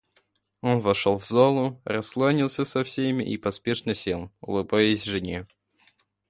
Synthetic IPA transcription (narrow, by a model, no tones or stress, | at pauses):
onvɐʂolˠvzolˠʊrɐsklˠonʲilˠsʲəsɐfsʲemʲɪ̰ʔipɐspʲeʂnəsʲelˠʊ̰lˠɨbajɪsʲʐɨnʲe